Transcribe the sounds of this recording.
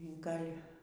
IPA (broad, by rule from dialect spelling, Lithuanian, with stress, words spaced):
ˈɡɐlʲ